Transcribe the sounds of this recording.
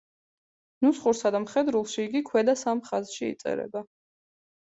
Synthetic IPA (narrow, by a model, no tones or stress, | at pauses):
nusχuɾsad̪amχɛd̪ɾulˠʃiːɡikʰwɛd̪asamχazʃiḭt̪sʼɛ̰ɾɛ̰ba